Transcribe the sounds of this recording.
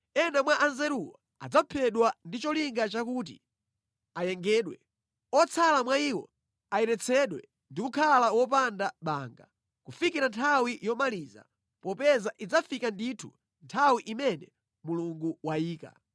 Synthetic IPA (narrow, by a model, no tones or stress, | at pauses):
ɛnamwaʔanzɛɾuwa | a̰d͡zapʰɛɗwandit͡ʃɔliŋɡat͡ʃakuːt̬ḭ | ajɛŋɡɛːɗwɛ̰ | ɔt͡sʰalamwaiːwɔ̰ | aɛnɛt͡sʰɛɗwɛ | ndikukʰalawɔp̬andaɓaːŋɡa̰ | kufikiɾantʰawijɔmaliːza̰ | pɔpɛzaʔid͡zafikanditʰṵ | ntʰawiʔimɛnɛ | muluŋɡuwaiːka̰